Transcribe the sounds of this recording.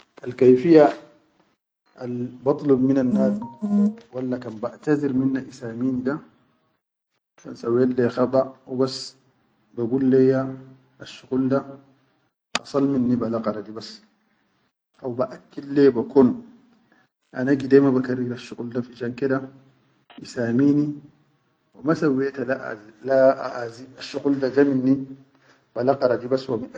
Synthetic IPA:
ʔalkajfija | ʔalbɑt̪ˤlubminanːaːz | walːakanbaʔt̪azɪɾminːaʔisaːmiːnda | ka̰nsawɛalːɛxababas | baɡulːɛja | ʔːʃːuqulda | ɑ̰sˤɑlminːibalaqɑɾadibas | ʔawbaʔakːilːɛbakɔn | ʔanaɡidɛmabakaɾiɾaʃukʼuldafiʃaŋkɛda | isamini | wamasawɛtala̰laaʔaziaʃuquldad͡ʒaminːi | balaqaɾadibaswami

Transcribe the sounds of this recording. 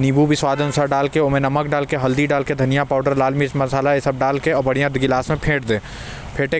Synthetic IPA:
niːbubʱiswaːd̪ʱənʊsaːɾɖaːlkeoːmẽnɐmək̚ɖaːlkeɦɐld̪iɖaːlked̪ʱənijapaːʊɖəɾlaːlmismɐsaːlaesəb̚ɖaːlkeɔːbɐɽijãd̪ɡɪlaːsmẽpʰẽːʈd̪ẽː | pʰeːʈe

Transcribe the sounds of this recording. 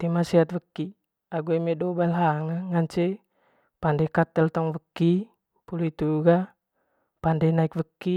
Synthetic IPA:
t̪imasiat̪̚vəkːi | aɡuemedobaɛlɦaŋaŋaɲt͡ʃe | pandekat̪ɛlt̪ɔŋvəkːi | pulit̪uɡa | pandenaikvəkːi

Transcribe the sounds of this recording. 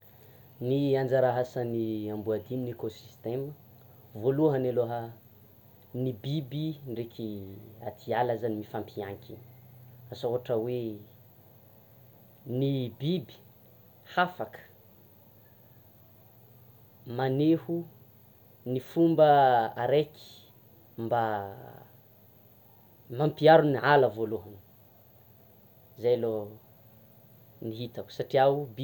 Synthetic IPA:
niand͡zaɾaɦasəniambuad̪ininekosi̥st̪emə | voluɦaneloɦə | nibibiɳɖ͡ʐekʲʰiat̪ʰialazanimifampiaŋkʰinasoɦaʈ͡ʂəwe | nibibi̥ | hafakə̥ | manehu | nifumbəa̰ɾeki̥ | mba | mampiaɾunialəvoluɦani̥ | zajlo | niɦit̪aku̥saʈ͡ʂiaubi

